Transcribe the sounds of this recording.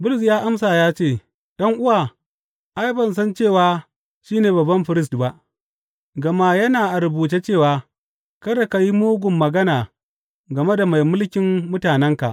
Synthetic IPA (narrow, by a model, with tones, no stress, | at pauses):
bʊ˦lʊ˨s̬jaː˦ʔa˦msaː˨jaː˦t͡ʃeː˦˨ | ɗɐ˦ŋʔʊ˦waː˨ | ʔa˦jbɐ˨ns̬ɐ˦nt͡ʃeː˦˨waː˨ | ʃiː˦neː˨bɐ˨bɐ˦mɸɪ˨ɾɪ˦stba˦ʔ | ɡɐ˨ma˦jɐ˦naː˨ʔa˨ɾʊ˨buː˨t̬e˦t͡ʃeː˦˨waː˨ | kɐ˦ɾɐ˨ka˨ji˦moː˦ɡʷʊ˨mːɐ˨ɡɐ˦naː˨ | ɡɐ˨me˦da˨ma˨jmʊ˦lkʲɪ˨mːʊ˦taː˨nɛ˦ŋka˨ʔ